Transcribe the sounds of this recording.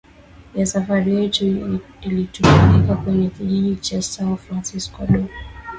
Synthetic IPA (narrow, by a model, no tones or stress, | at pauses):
jasafaɾijɛt | ilitufalikakwɛɲɛkiʄiʄit͡ʃasanfɾansiskaɗɔ